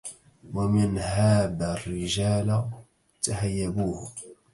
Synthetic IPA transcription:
wamɪnhaːðarːɪʒaːl | t̪ahajːabuːhʊ

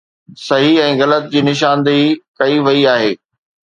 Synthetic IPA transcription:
sɐɦiɛ̃ːɣɐlət̪̚d͡ʑiːnɪʃ̬ãːnd̪ikɐiʋɐiaːɦeː

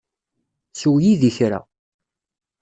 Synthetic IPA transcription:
suwjiðiçɾa̰

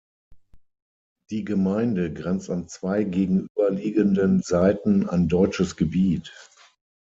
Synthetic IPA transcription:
d̥iːɡəmaɪndəɡʁɛnt͡stant͡sv̥aɪɡeːɡŋ̩ʔyːbɐliːɡəndənzaɪtn̩a̰ndɔʏt͡ʃəsɡ̥əbiːt

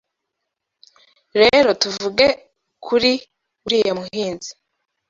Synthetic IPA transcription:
ɾe̞ɾo̞tuvuɡe | kʰuɾi | uɾiːjemuhɦiːnzi̥

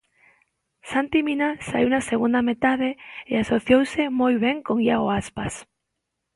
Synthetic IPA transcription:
sant̪iminasaiwnaseɣund̪amet̪aðeeasoθjowsemojβ̞eŋkoŋiaoaspas

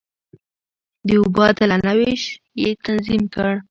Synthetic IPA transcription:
d̪əʊbɑt̪əlanaweʃ | jet̪anzimkəɽ

